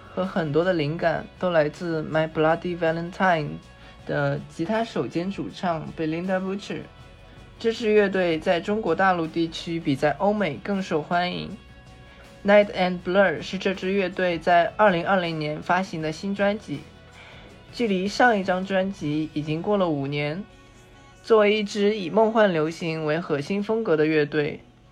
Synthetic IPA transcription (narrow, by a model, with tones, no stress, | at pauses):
xɤ˧˥xə˨˩nt̪̬wɔ˥d̪ə˧li˧˥ŋka̰˨˩˦nt̪o˥ʊla˧˥ɪt͡sɹ̩˥˧ma˧˥ɪpʰu˧la˥t̪i˥˩wa˧˥lə˥nt̪ʰa˥˩ɪn | d̪̥ə˨˩t͡ɕʰi˧˥t̪ʰa˥ʂo˨˩ʊt͡ɕjɛ˥nʈ͡ʂu˨˩ʈ͡ʂʰɑ˥˩ŋpe˥˩ɪli˥ŋt̪a˥˧pu˥ʈ͡ʂʰɻ̩˨˩˦ | ʈ͡ʂ̩˥˧ʈ͡ʂɻ̩˥˧ɥɛ˥˧t̪̬we˥˧ɪt͡sa˥˩ɪʈ͡ʂʊ˥ŋkwɔ˧˥t̪a˥˧lu˥˧t̪i˥˩t͡ɕʰy˥pi˨˩t͡sa˥˩ɪʔo˥ʊme˨˩ɪkɤ˥˩ŋʂo˨˩ʊxwa˥nḭ˧˥ŋ | na˥ɪt̪ʰa˥˩nplə˞˨˩ʂɻ̩˥˧ʈ͡ʂɤ˥˧ʈ͡ʂɻ̩˥˧ɥɛ˥˧t̪we˥˧ɪt͡sa˥˧ɪʔə˞˥˩li˧˥ŋɐ˞˥˩li˧˥ŋnjɛ˧˥nfa˥ɕi˧˥ŋd̪ə˧ɕi˥nʈ͡ʂwa˥nt͡ɕi˧˥ | t͡ɕy˥˩li˧˥ʂɑ˥˧ŋi˥˩ʈ͡ʂɑ˥ŋʈ͡ʂwa˥nt͡ɕi˧˥i˨˩t͡ɕi˥ŋkwɔ˥˩lə˩u˨˩njɛ˧˥n | t͡swɔ˥˧we˧ɪi˥˩ʈ͡ʂɻ̩˥i˨˩mɑ˥˧ŋxwa˥˩nljo˧˥ʊɕi˧˥ŋwe˧˥ɪxɤ˧˥ɕi˥nfɤ˥ŋkɤ˧˥d̪ə˧ɥɛ˥˧t̪we˥˩ɪ